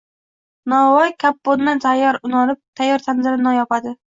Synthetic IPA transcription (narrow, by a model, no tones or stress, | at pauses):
nɒɒjkʲʰapːonːant̪ʰajːɒɾʊnɒnɪp̚t̪ʰajːɒɾt̪ʰanzɪɾɪnajɒpad̪ɪ